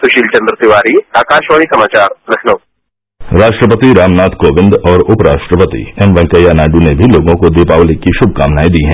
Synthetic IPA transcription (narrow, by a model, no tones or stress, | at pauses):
sʊʃiːlt͡ʃɐ̃nd̪ɾət̪ɪʋaːɾiaːkaːʃʋaːɭisɐmaːt͡ʃaːɾlɐkʰnɐw | ɾaːʃʈɾəp̬ət̪iɾaːmnaːt̪ʰkoːʋɪ̃nd̪ɔːɾʊpɾaːʃʈɾəpət̪ḭɛmʋɛ̃ŋkəjanaːɖunebʱiloːɡõkod̪eːpaːʋlɪkːiʃʊbʱkaːmnaːid̪iɦɛ̃